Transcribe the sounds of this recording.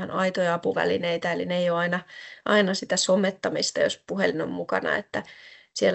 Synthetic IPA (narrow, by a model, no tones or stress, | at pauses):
ɑnɑit̪ojɑɑpuʋæ̰lineit̪æelineijoːɑinɑʔɑinɑsit̪æsomet̪ːɑmist̪ɑjo̰spuhelino̰mmukɑ̰nɑ̰ḛt̪ːæ | siel